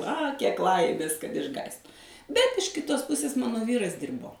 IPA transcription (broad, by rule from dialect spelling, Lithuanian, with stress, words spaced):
ɐ kʲiɛk ˈlˠɐɪmʲeːs kɐt ɪʒˈɡɑːst bʲɛt ɪʃ ˈkʲɪtoːs ˈpʊsʲeːs ˈmɑːnoː ˈʋʲiːrɐs ˈdʲiːrboː